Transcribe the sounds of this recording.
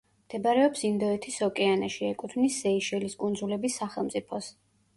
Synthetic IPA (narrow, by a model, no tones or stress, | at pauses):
md̪̥ɛbaɾɛɔpsind̪ɔɛt̪ʰisɔkʼɛanaʃiɛkʼut̪ʰmniszɛiʃɛliskʼund̪zulɛbisːaχɛlˠmt̪sʼipʰɔs